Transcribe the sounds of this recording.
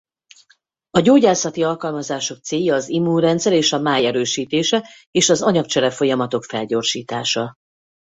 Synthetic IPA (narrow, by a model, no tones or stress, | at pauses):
ɒɟoːɟaːsɒt̪iɒlkɒlmɒzaːʃo̞k̚t̪seːjːɒːzimurɛnt̪sɛɾeːʃɒmaːjɛɾøːʃiːt̪eːʃɛ | eːʃɒzɒɲɒk̚t͡ʃɛɾɛfo̞jɒmɒt̪o̞kfɛlɟo̞rʃiːt̪aːʃɒ